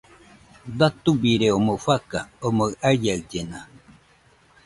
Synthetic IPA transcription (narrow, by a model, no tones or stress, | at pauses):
d̪at̪ubiɾeomofakaomoajaɯd͡ʒena